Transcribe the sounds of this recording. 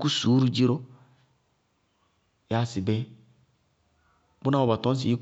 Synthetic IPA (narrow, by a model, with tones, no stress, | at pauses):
ku˦su˨˦ɾu˦d͡ʒi˦ɾo˦ | ja˦si˨bɛ˦ | bu˦na˦wo˨ba˨tɔ̃˨˦s̬i˨i˦k